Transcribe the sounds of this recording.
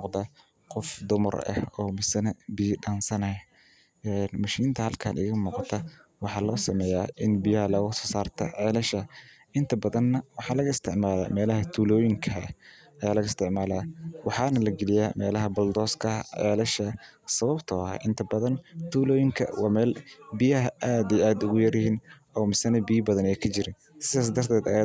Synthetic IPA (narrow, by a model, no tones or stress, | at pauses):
mmʊːqd̪ɐ | qɔfd̪ʊmɐ̰rɐ̰hɔːmɪsɐnɐbijɖaːnsɐnɐj | ɛnmɐʃiːnt̪ʰɐhɐlkʰa̰ːnʔɪ̰ɣɐmuːqɑt̪ʰɐ | wɑħɑːlɔːsɐmɛːjaːʔɪnbɪjalɐɣɐsɔːsaːrt̪ʰɐ̰ʕɛːlɐʃɐ | ʔɪnt̪ʰɐbɐðɐnːɐwɑħɑːlɐɣɐɪst̪ʰɪʕmaːla̰ːmɛːlɐɦɐt̪ʰuːlɔːjɪŋkʰɐ | ɐjaːlɐɣɐɪst̪ʰɪʕmaːlaːwɑħɑːnɐlɐɡɛlɪjaːmɛːlɐɦɐbɐld̪ɔːskʰɐʕɛ̰ːlɐʃɐ | sɐβɐbt̪ʰɔɐʔɪnt̪ʰɐbɐðɐnt̪ʰuːlɔːjɪŋkʰɐ̰wɑːmɛːlbijɐɦɐʔaːd̪ɛjaːd̪ʊɣʊjɐrjɐɦiːn | ɔːmɪsɐnɐbijbɐðɐnɛjkʰɐt͡ʃɪɾɪn | sɪðaːs̬d̪ɐrt̪ʰɛːd̪ɐja